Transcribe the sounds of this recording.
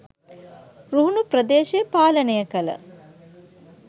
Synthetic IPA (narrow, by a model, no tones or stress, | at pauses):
ruɦunuprəd̪eːʃejpaːlənəjəkələ̰